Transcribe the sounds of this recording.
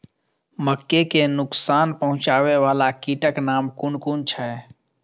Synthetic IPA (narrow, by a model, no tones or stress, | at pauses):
məkːekenʊksanpəɦʊ̃t͡ʃaːʋeʋaːlakiʈəknaːmkuɳkunt͡ʃʰɛ